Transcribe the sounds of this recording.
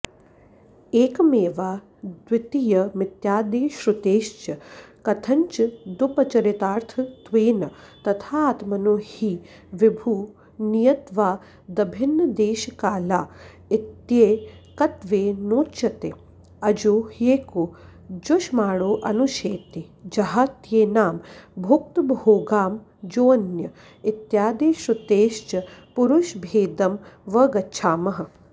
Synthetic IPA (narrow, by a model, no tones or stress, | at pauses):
eːkmeːʋaː | d̪ʋɪt̪ijɐmɪt̪jaːd̪eːʃɾʊt̪eːʃt͡ʃɐkɐt̪ʰɐɲt͡ʃd̪ʊpɐt͡ʃɐɾɪt̪aːɾt̪ʰɐt̪ʋeːnɐ | t̪ɐt̪ʰaːt̪mɐnoːhi | ʋɪbʱuː | nijɐt̪ʋaː | d̪ɐbʱɪnːɐd̪eːʃkaːlaː | ɪt̪jeːkɐt̪ʋeːnoːt͡ʃɐt̪e | ɐd͡ʒoːheːko | d͡ʒoʃmaːɽoːʔɐnuʃeːt̪ed͡ʒɐɦaːt̪jeːnaːmbʱuk̚t̪bʱɦoːɡaːm | d͡ʒoːnjɐ | ɪt̪jaːd̪eːʃɐt̪eːʃt͡ʃɐpuɾuʃbʱeːd̪ɐmʋɐɡɐt͡ʃʰaːmɐɦɐ̆